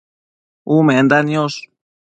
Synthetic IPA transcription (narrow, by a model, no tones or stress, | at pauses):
umẽend̪anjos